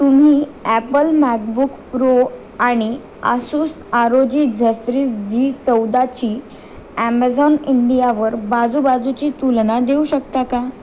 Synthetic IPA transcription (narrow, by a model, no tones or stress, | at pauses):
t̪um̤iːæpəlmæk̚bukpɾo | aɽ̃i | a̰sus | aɾod͡ʑiːd͡zʱefɾisd͡ʑiːt͡səwd̪at͡ɕiː | æmad͡zɔniɳɖijaʋəɾbad͡zubad͡zut͡ɕiːt̪ulnad̪euɕəkt̪aka